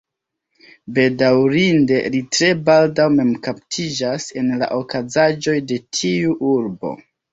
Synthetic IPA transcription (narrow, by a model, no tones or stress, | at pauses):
be̞dawɾinde̞litɾe̞baldawme̞mkaptʰid͡ʒase̞nla̰ʔo̞kazad͡ʒo̞jde̞tʰiuʔuɾbo̞̰